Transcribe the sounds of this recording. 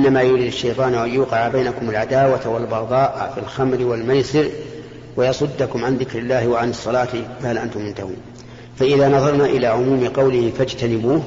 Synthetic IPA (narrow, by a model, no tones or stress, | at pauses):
ʔɪnːamaːjʊɾɪd̪ɪʃːɑjt̪ˤɑːnʔajjuːqɪʕabajnakʊmalʕad̪aːwat̪walbɑd̪ˤɑːʔfɪlxamɾɪwalmajsɪɾ | wajɑsˤʊd̪ːakʊmʕanðɪkɾɪlːaːhɪwaʕanɑsˤːɑlɑːt̪ɪfahalʔant̪ʊmʊnt̪ahṵːn | faʔɪðaːnɑðˤɑɾˤnaʔɪlaːʕʊmuːmɪqɑwlɪhɪfad͡ʒt̪anɪbuːh